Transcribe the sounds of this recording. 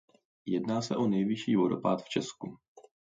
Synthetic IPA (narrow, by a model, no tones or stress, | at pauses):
jɛdnaːsɛʔonɛjvɪʃiːvoɾo̰paːt̪ft͡ʃɛsku